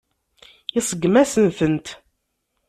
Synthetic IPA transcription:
jisˤəɡːmæsənθənt̪

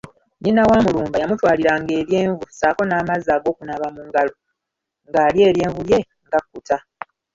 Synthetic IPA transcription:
ninawaːmuluːmbajamutwaːliɾaŋɡe̞ːβje̞ːɱvusaːko̞naːmazaːɡo̞ːkunaβamuŋɡalo | ŋɡaːlje̞ːɾje̞ːɱvulje̞ | ŋɡakːuta

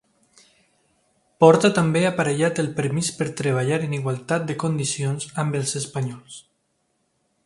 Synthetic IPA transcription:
pɔɾt̪at̪ambeapaɾeʎat̪əlˠpəɾmispəɾt̪ɾəβ̞aʎaɾəniɣwalˠt̪at̪̚d̪əkond̪isionzambəlˠzəspaɲɔlˠs

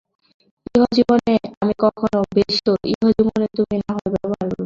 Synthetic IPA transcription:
iɦod͡ʑiboneamikɔkʰonobeʃt̪oʔiɦod͡ʑibonet̪uminaɦoebɛbaaɾoɾu

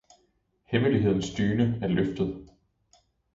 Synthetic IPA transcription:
heməliɦe̝ð̞̰ˠn̩sd̥yːnəæɐløfd̥ð̞̩ˠ

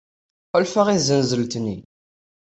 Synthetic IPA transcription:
qəlfəʁizənzəlt̪nːḭ

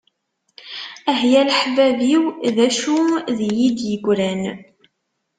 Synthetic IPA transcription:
æɦjælħvæviwðæʃuðjid̪jəɡʷɾæn

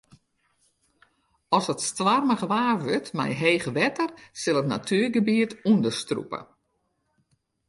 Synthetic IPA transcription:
ɔsətstʋarməɣəʋaːrʋøtmɛ̰jɦejɣəʋɛtərsɪlˠətna̰tʰyːrɡəbiətundəstrṵpə̰

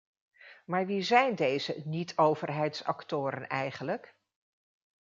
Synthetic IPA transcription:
maːɹʋizɛjndejzənitʰowvəɹɦɛjtsɑ̰ktʊːɾənɛjχənlək

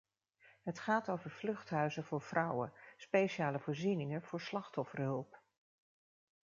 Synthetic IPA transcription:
ɦətχaːtowvəɹv̥lɵχtɦœɥzəvʊːɹv̥rɑwə̰spejʃaːləvʊːɹzinɪŋənv̥ʊːɹslɑχtɔfərɦɵlˠp

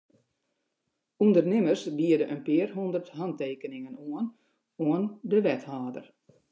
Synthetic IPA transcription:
undərnɪmərsbiədəʔənpɪərɦundərthanteːkənɪŋənuən | oəndəʋɛthaːdə̰r

